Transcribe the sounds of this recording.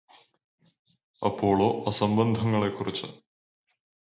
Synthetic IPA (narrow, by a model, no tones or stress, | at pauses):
ɐ̰pʰːo̞ːɭoːʔɐsɐmbɐnd̪ʱɐŋːɐɭekːurit͡ɕːɐ